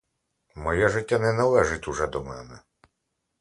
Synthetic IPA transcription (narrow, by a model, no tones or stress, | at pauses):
mɔjɛʒɪtʲːanɛnɐlˠɛʒɪtʲuʒɛd̪ɔmɛ̰nɛ